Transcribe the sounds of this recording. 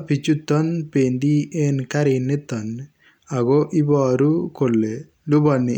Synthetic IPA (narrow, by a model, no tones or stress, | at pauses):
pit͡ʃut̪ːɐnpend̪ieːnkɐɾinːet̪ːɐn | ɐɡoʔibaːɾukolːe | lubɐni